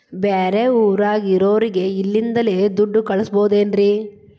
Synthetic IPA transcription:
beːɾeuːɾaːɡiɾoːɾiɡe̞ilːind̪ɐleːd̪uɖːukɐɭɐsboːd̪e̞ːnɾiː

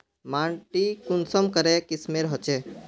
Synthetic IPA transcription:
maːɳʈikunsɔmkəɾɛkismeɾɦɔt͡ʃe

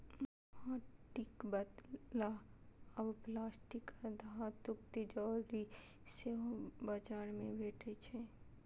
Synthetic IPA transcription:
aːʈɪkbəd̪laɐbplaːsʈɪkad̪aɦat̪ʊk̚t̪ed͡ʒaːɾi | sebad͡ʒaːɾmẽbʱeːʈʰet͡ʃʰe

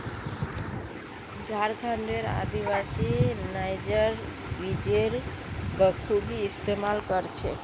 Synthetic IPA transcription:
d͡ʒaɾkʰaɳɖeɾa̰d̪ibasinajd͡ʒəɾ | bid͡ʒeɾ | bəkʰubʱiːst̪emalkəɾt͡ʃʰɛ

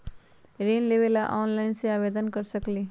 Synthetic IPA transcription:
ɾeːnleːʋelaʔɔːnlaːɪnseaːʋeːd̪ənkəɾsəkliː

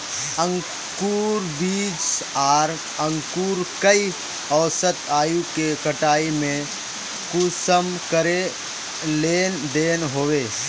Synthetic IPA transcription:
ə̃ŋ | kuːɾbiːt͡ʃaːɾ | ə̃ŋkuːɾkəi | ɔːsət̪aːjũkekəʈaːimẽ | kusəmkəɾe | leːnd̪eːnɦoːweː

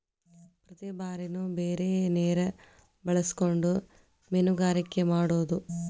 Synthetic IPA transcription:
prɐt̪ebaːɾinubeːɾeneːɾe | bɐɭɐsu̥ko̞ɳɖu | menuɡaːɾɐkʲːɐmaːɽoːðu

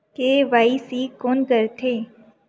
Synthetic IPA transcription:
keʋaisikonkəɾt̪ʰeː

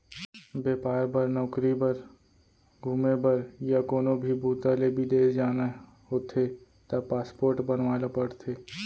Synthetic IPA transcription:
beːpaːɾbəɾnɔːkɾibəɾ | ɡʱuːmebəɾjakoːnõbʱibʱuːt̪alebʱid̪eːɾd͡ʒaːna | ɦoːt̪ʰe | t̪apaːspoːɾʈbənʋaːlapəɽt̪ʰeː

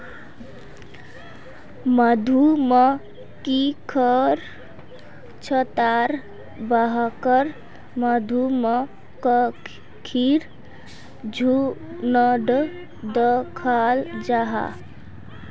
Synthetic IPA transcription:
məd̪ʱumə | kikʰəɾ | t͡ʃʰət̪aɾ | baɦkəɾ | məd̪ʱumə | kək | kʰiɾ | d͡ʒʱu | nəɖ | d̪əkʰald͡ʒaɦa̰

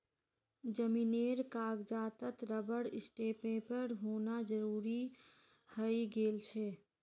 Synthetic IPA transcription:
d͡ʒəmineɾkaɡd͡ʒaːt̪ət̪ɾəbəɽɪsʈepẽpəɾɦonad͡ʒəɾuɾi | həjɡelt͡ʃʰɛ

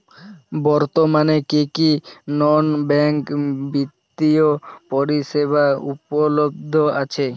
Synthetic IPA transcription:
bɔɾt̪omanekekinɔnbɛŋkbit̪ːiopoɾiʃeβaupolobd̪ʱːoat͡ɕʰe

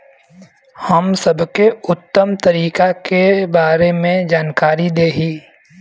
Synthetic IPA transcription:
hɐmsɐbʱkeʊt̪ːəmt̪ɐɾiːkakebaːɾemẽd͡ʒaːnkaːɾid̪eːɦiː

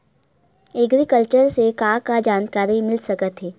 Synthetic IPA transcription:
ɛɡɾikəlt͡ʃəɾsekaːkad͡ʒaːnkaːɾimɪlsɐkət̪ɦɛː

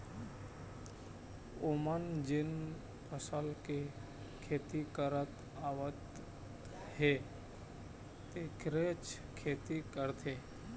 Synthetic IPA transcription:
omənd͡ʒen | pʰəsəlke | kʰeːt̪ikəɾət̪ | aʋət̪ | he | t̪ekɾet͡ʃkʰeːt̪ikəɾt̪ʰe

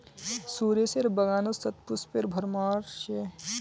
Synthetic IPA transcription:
suːɾeseɾbɐɡaːnosɐt̪̚puspeɾbʱɐɾmaːɾʃe

